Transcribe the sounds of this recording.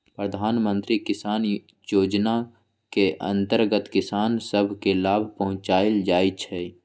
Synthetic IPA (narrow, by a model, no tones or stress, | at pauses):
pɾəd̪ʱaːnmə̃nt̪ɾikɪsaːn | joːd͡ʒna | keʔə̰̃nt̪əɾɡət̪kɪsaːnsəbʱkelaːbʱpəɦʊ̃t͡ʃaːɪld͡ʒaːit͡ʃʰɛː